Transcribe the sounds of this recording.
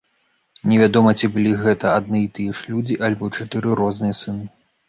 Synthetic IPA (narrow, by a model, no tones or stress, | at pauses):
nʲɛvʲad̪ɔmɐt͡sʲibɨlʲiɣɛt̪ɐad̪̚nɨit̪ɨjɛʂlʲud͡zʲiʔalʲbɔt͡ʂat̪ɨɾɨɾɔznɨjɛsɨnɨ